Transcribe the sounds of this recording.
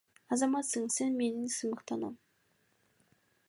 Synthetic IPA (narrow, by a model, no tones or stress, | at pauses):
ɑzɑmɑt̪səɴsenme̞nɪŋsəməqt̪ɑnɑ̰m